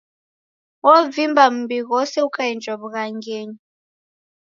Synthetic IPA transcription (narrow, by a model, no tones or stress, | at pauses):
wɔvimbʱam̩biɣɔsɛukʼaind͡ʒʱɔβuɣaŋɡeːɲi